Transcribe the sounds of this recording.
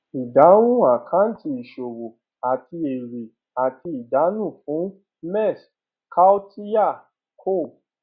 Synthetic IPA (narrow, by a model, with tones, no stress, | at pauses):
i˨da˨˦wũ˦˨a˨kʰã˨˦n̩˦ti˧i˨ʃo˨wo˨ | a˨ti˧e˨ɾe˨ | a˨ti˧i˨da˨˦nũ˦˨fũ˨˦ | mɛ˦˨s | ka˦o˦ti˦ja˦˨ | kʰo˦˨